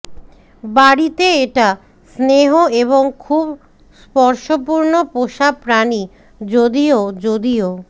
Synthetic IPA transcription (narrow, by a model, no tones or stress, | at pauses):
baɽit̪eeʈa | sneɦoeβoŋkʰub | spɔɾʃopuɾnopoʃapɾani | d͡ʑod̪iod͡ʑod̪io